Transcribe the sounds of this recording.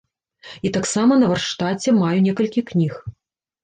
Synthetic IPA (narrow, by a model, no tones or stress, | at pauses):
it̪aksamɐnɐvɐrʂt̪at͡sʲɛmajunʲɛkɐlʲkʲiknʲix